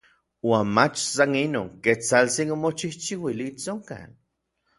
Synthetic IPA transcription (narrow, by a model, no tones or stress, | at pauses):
waːnmat͡ʃsanino̰ːŋket͡salt͡sinomot͡ʃiht͡ʃiwiliːt͡soŋka̰n